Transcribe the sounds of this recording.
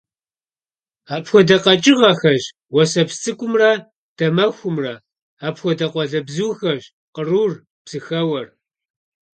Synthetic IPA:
aːpxʷɔdɐqɐt͡ʃʼɪʁɐxɐʒ | wɔsɐpst͡sʼɨkʷʼʊmrɐ | d̥ɐmɐxʷʊmrɐ | aːpxʷɔdɐqʷɔɮɐbzuxɐʒ | qəruːr | b̥z̥ɨxɐwɐr

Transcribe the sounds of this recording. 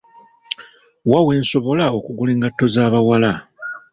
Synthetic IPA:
wawe̞ːnso̞βo̞lao̞kuɡule̞ːŋɡatːo̞zaːβawala

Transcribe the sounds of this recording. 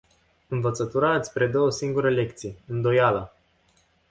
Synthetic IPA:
ɨnvət̪sət̪uɾat̪sʲpɾed̪o̞wəsiŋɡuɾəle̞k̚t̪sijɨnd̪o̞jalə

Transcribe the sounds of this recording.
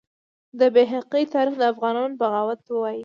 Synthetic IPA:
d̪əbeɦaqit̪ɑɾixd̪əafɣɑnɑnobəɣɑwat̪wəwɑji

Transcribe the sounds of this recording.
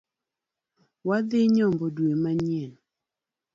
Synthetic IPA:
wad̪ɪɲɔmbɔdwemaɲen

